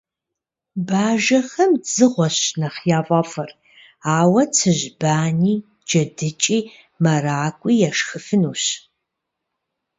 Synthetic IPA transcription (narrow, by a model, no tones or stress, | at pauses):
baːʒɐxɐmzɨʁʷɔɕnɐχjaːvʷʼɐfɐr | aːwɐt͡sʰɨʑbaːniː | d͡ʒɐdɨt͡ʃʼiː | mɐraːkʷʼiːjaʃxɨfɨnuːɕ